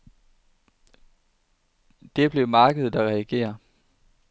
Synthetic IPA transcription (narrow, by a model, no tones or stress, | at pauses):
d̥e̝b̥le̝mɑ̈ːɡ̥əð̩̥ˠæʁɛæɡ̥e̝̰ːɐ